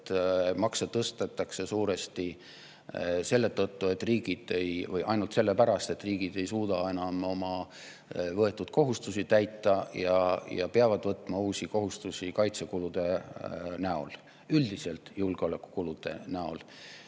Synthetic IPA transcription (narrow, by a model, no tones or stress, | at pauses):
t̪mɑkset̪ːɤst̪et̪ːˑɑkse̞suːɾe̞st̪i | se̞lːe̞t̪ɤt̪ːue̞t̪ːˑriːɡ̥id̪̥e̞jvɯjʔɑjnult̪selːepæɾɑst̪e̞t̪ːˑriːɡ̥id̪e̞jsuːd̪̥ɑe̞nɑmo̞mɑ | vɤe̞t̪ːˑud̪̥̚ko̞ɦust̪usit̪æjt̪ːˑɑjɑjɑ̰peɑvɑd̪vɤt̪ˑmɑuːsiko̞ɦust̪usikɑjt̪se̞kulud̪̥e̞næo̞̰l | yld̪̥ise̞lt̪julɡ̥eole̞kːˑu̥kulud̪̥e̞̰næo̞̰l